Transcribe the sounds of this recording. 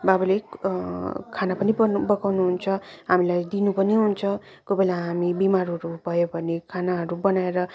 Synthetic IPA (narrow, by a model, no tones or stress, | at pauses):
babule | kʰanapʌnibʌbʌkawnuɦunt͡sʰʌɦamilajd̪inupʌniɦunt͡sʰʌ | kobelaɦamibimaɾɦʌɾubʱʌjobʱʌnekʰanaɦʌɾubʌnaeɾʌ